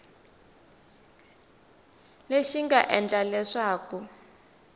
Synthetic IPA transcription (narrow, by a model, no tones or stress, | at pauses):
leʃiŋɡaʔɛnd͡ɮalɛʂaːku